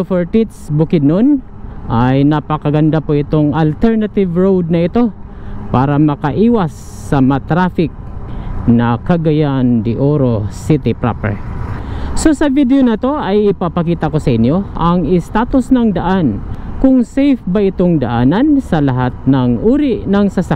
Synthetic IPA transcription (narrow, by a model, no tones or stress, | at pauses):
fɛɹt̪it̪sbʊkɪd̪̚non | ʔajnɐpɐkɐɡɐnd̪apoʔɪt̪o̞ŋɐlt̪ɛɹnɐt̪ɪvɹowd̪̚nɐɪt̪o̞ | paːɾɐmɐkɐʔiːwɐsː | ɐmɐt̪ɾaːfɪk̚nɐkɐɡɐjand̪ɪʔoɾo̞sit̪ɪpɾa̰pɛ̰ɹ | so̞sɐvid̪ɛjonɐt̪o̞ʔajɪpapɐkiːt̪ɐko̞sɐʔɪnjo̞ʔɐŋɪst̪aːt̪osnɐŋd̪ɐʔankʊŋsɛjfbɐʔɪt̪oŋd̪ɐʔaːnɐnsɐlɐɦat̪̚nɐŋʔuːɾiʔnɐŋsɐsa